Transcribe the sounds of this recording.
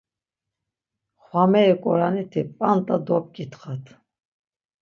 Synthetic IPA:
χwamɛːkʼɔɾanit̪ʰipʼant̪ʼad̪ɔp̚kʼit̪χat̪ʰ

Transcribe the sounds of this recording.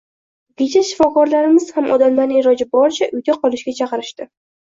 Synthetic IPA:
ɡʲet͡ʃʰaʃɪ̥fɒkɒɾlaɾɪmɪz̥hamʔɒd̪amlaɾnɪɪɾɒd͡ʒabɒɾt͡ʃʰaʔʊjɡʲaqʰɒlˠɪʃɡʲat͡ʃʰɑqɨɾɪʃt̪ɪ

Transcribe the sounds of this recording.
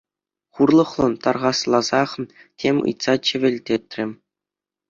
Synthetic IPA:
χurlˠɤ̆χlˠɤ̆nt̪ɑrʁɑslˠɑzɑχ | tʲʰemʲɯ̰jt̪sɑt͡ɕɘ̆ʋʲɘ̆lʲtʲet̪ʲrʲɘ̆mʲ

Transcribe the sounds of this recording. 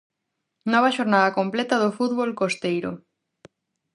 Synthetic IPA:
nɔβɐʃoɾnaðɐkomplɛt̪ɐðofuðβolkost̪ejɾo̰

